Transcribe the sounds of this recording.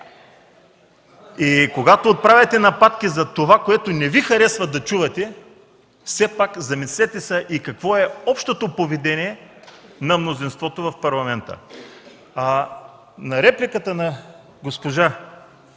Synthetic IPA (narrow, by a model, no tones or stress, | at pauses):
ikoɡat̪oːt̪̚pɾavʲɐt̪ɛnɐpat̪k̟izɐt̪ovakoɛt̪onɛvixɐɾɛsvɐd̪ɐt͡ʃuvɐt̪ɛ | fsɛpakzɐmisɛt̪ɛsəʔikɐkvɔɛɔpʃt̪ot̪opovɛd̪ɛnʲiɛnɐmnozinst̪vɔt̪ovɐfpɐɾlˠɐmɛnt̪ə̰ | nɐɾɛplikət̪ənɐ | ɡospoʒa